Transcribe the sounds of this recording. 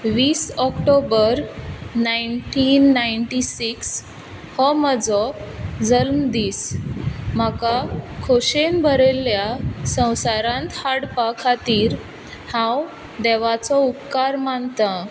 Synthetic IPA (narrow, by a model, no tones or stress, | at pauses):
ʋiːsɔkʈobəɾnajɳʈinːajɳʈisiks | hɔməd͡zɔd͡zəlmd̪iːs | m̤akakʰoɕenbʱəɾelːjasə̃w̃saɾãnt̪haɽpakʰat̪iːɾ | hãw | d̪ɛʋat͡sɔupkaɾmant̪a